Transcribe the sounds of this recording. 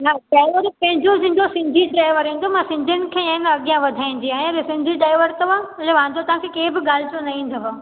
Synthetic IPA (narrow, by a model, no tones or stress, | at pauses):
naɖaːɪʋəɾpɐ̃ɦɪ̃ɲd͡ʑosɪ̃ːɲd̪osɪ̃ɲd͡ʑʱiɖɾaːɪʋəɾɦĩːnd̪omãsɪ̃ɲd͡ʑʱənɪ̆kʰeːenɐɠijãʋɐd̪ʱaːĩn̆d͡ʑiaːɦẽlesɪ̃ɲd͡ʑʱiɖaːɪʋəɾt̪ɐʋ̤ãɪleʋãːɲd͡ʑot̪ɐʋ̤ãkʰekeːbɪɠaːl̤ɪt͡ɕõnɐɦĩːnd̪ʱoɦaː